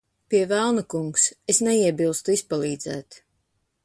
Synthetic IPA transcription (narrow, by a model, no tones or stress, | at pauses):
piɛvælˠnakuŋksesnɛiɛbilˠst̪uispalˠiːd̪zæ̰ːt̪